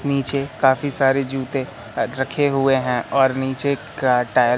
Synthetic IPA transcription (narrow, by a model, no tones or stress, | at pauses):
niːt͡ʃekaːfisaːɾed͡ʒuːt̪ẽ | ɾɐkʰeɦʊeɦɛ̃ʔɔːɾniːt͡ʃe | ʈaː